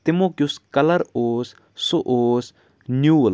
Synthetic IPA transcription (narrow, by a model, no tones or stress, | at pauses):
t̪imokjuskɐlɐɾoːs | soʔoːs | njuːl